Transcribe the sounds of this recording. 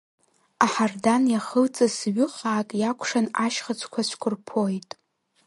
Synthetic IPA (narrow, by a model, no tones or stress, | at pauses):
aħardanjaχəlt͡sʼasɥɪχʼaːkʼjakʷʰʂanaʃχat͡sʷʰkʷʰat͡ʃʷʰkʷʰʊrpʰo̞jtʼ